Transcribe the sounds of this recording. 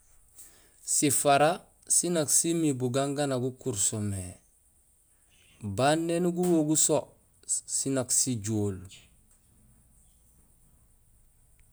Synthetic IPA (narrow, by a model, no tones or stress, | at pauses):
sifaɾa | sinaksimibuɡaŋɡanaɡukuɾsome | banːenuɡuwoɡuso | sinaksiɟoːl